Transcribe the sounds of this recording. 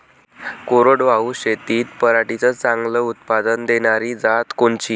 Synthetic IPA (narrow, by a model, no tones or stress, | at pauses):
koɾoɽʋauɕet̪iːt̪pəɾaʈit͡sət͡sãŋɡləut̪̚pad̪ənd̪eɳaɾiːd͡zat̪koɳt͡ɕiː